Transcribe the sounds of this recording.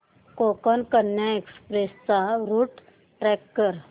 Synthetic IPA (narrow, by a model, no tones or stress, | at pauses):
koːkənkənjaekspɾest͡saɾuːʈ | ʈɾɛkːəɾ